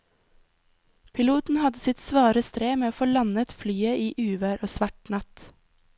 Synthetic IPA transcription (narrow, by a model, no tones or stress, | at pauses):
pʰɪluːt̪n̩hɑd̪əsɪt̪sʋɑːɾəst̪ɾeːmeːoːfoːlɑnət̪flyːəʔiːʔʉːʋəɾʔoːsʋæʈnɑt̪